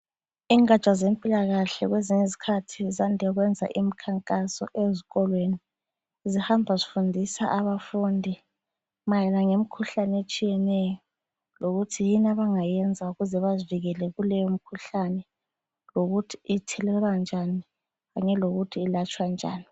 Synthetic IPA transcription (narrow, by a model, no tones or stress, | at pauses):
iːŋat͡ʃʼazempʼilaɣaɬɛ̰ɣweziɲezi̥kʰatʰizandʱɛɣwɛnd͡zʱa̰ʔim̩kʰaŋkʼasɔ̰ʔeziɣɔlweni | zihambʱazifundʱisa̰ʔaβafundʱi | majɛlaŋem̩kʰuɬanɛet͡ʃʼijɛnɛjɔ | loɣutʰijinaβaŋajɛnd͡zʱauɣuzɛβaziviɣɛlɛɣulɛjom̩kʰuɬanɛ | loɣutʰi̥itʰɛlɛlwand͡ʒʱani | ɣaɲɛloɣutʰiːlat͡ʃʼwand͡ʒʱa̰ːni